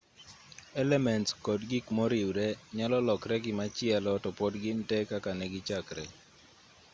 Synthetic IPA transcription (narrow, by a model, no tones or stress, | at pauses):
ɛlɛmɛntskɔdɡɪkmɔɾiwɾɛɲalɔlɔkɾɛɡɪmat͡ʃɪɛlɔtɔpɔdɡɪntɛkakanɛɡɪt͡ʃakɾɛ̰